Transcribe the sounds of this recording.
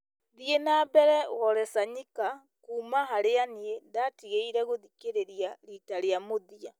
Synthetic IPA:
ðienaːbɛɾɛwɔɾɛsaɲika | kuːmaɦaɾeaniendatiɣeiɾɛɣoðikeɾeɾiaɾitaɾeamoðia

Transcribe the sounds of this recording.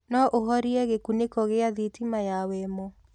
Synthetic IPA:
nɔʔoɦɔɾiɛɣekunekɔɣeaðitimajawɛmɔ

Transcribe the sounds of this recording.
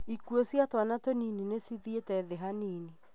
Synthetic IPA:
ikuosjatwanatɔnininesiðietɛðeɦaneːni

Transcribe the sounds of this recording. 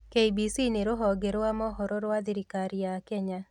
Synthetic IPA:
keibisineɾoɦɔɡeɾwamɔɦɔɾoɾwad̪ɪɾikaɾjakɛɲa

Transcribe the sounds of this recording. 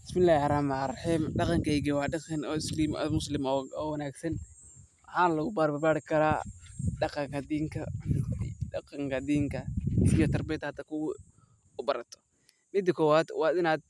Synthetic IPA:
bɪsmɪlaːhɪħɑɾaːmɾħiːmɖɑqɑŋkɐɛɡɛwɑːɖɑɐnɔːɪsliːmmʊslɪmɔːwɐnaːɡsɐn | wɑħɑːnlɐɣʊbaːɾbɐbaːɽɪkʰɐɾaːɖɑqɑŋkɐhd̪iːŋkʰɐ̰ | ɑqɑŋkɐd̪iːŋkʰɐijɔt̪ʰɐrbɛːt̪hɐd̪ɐkʰʊ | ʊbɐɾɐt̪ʰɔ̥ | mɪd̪ɐkʰɔːwaːd̪wɑːd̪ɪnaːd̪̚

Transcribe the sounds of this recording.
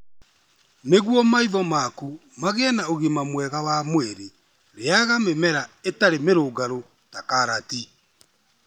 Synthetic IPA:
neɣwɔmaiðɔmaku | maɣeɛnaoɣemamwɛɣawamweɾe | ɾeaɣamemɛɾaetaɾemeɾoːɡaɾo | takaɾati

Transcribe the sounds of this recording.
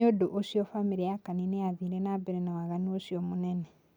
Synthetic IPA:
odoʔosiofamiɾijakaninejaðiɾenabeɾenawaɣaniosiomunene

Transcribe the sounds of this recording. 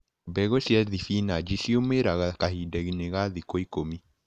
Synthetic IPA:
bɛɣosjɛðifinad͡ʒisiomeɾaɣakahidɛɣineɣaðikoikomi

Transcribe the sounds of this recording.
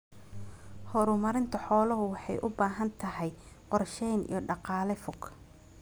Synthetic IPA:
hɔɾʊmɐɾɪnt̪ʰɐħɔːlɔɦʊwɑħɑjʔʊbaːɦɐnt̪ʰɐɦɛjqɔrʃɛjnḭjɞɖɑqɑːlɛfʊɡ

